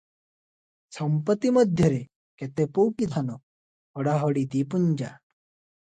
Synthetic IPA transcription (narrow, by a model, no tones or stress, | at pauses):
səmpət̪ːiməd̪ʱjəɾe | ket̪epowkit̪ʰano | hɔɽaɦɔɽid̪ipuɲd͡ʑa